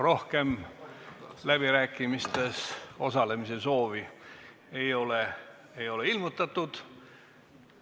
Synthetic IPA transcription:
ro̞hke̞m | læb̥iɾæːkːˑimist̪e̞so̞sɑle̞mise̞so̞ːvi | e̞jo̞le | ejo̞le̞ilmut̪ːˑɑt̪ːˑud̪̥

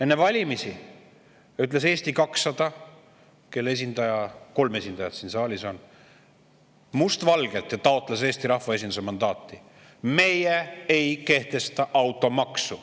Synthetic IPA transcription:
e̞nːevɑlʲimisi | yt̪ˑle̞s̬e̞ːsʲt̪ikɑksːɑd̪̥ɑ | ke̞lːe̞s̬ʲind̪ɑjɑko̞lme̞sʲind̪̥ɑjɑd̪̥sinsɑːlʲiso̞n | must̪vɑlɡ̥e̞lt̪jɑt̪ɑo̞t̪ːˑlese̞ːsʲt̪iɾɑhvɑe̞s̬ʲind̪usemɑnd̪ɑːt̪ːˑi | me̞jeejke̞ht̪e̞st̪ɑʔɑwt̪ːˑo̞mɑksu

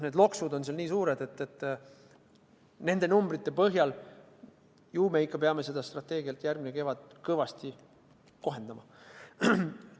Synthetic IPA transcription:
ne̞d̪lo̞ksud̪o̞nseɑlniːsuːɾed̪̥e̞t̪ːet̪ːˑ | ne̞nd̪̥e̞numbɾit̪ˑːe̞pɤɦjɑl | juːmeikːˑɑpeɑme̞se̞d̪̥ɑst̪rɑt̪ːˑe̞ːɡiɑlt̪jærɡmine̞ke̞vɑd̪̥kɤvɑst̪i | ko̞ɦe̞nd̪̥ɑmɑ

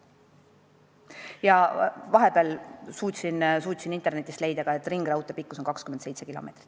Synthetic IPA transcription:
jɑvɑɦe̞beɑlsuːt̪ʲsinsuːt̪ʲsinint̪e̞rne̞t̪ːˑist̪le̞jd̪ɑɡ̥ɑe̞t̪ːˑriŋɡ̥rɑwt̪ːˑepikːˑu̥so̞nkɑkskymed̪se̞jt̪se̞kilo̞̰me̞t̪ri̥t̪ːˑ

